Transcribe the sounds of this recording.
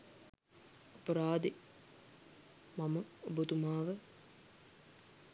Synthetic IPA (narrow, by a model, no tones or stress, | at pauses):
ɐpɐɾaːd̪e | maməobut̪umaːʋə